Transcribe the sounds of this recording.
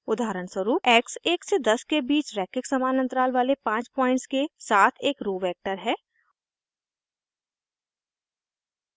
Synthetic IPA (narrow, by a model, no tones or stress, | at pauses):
ʊd̪aːɾəɳsəɾuːɛːkseːksed̪ɐskebiːt͡ʃɾɛːkɪksɐmaːnə̃nt̪ɾaːlʋaːlepãːt͡ʃpɔːɪ̃ɳʈskesaːt̪ʰeːkɾoːʋɛːk̚ʈəɾɦɛː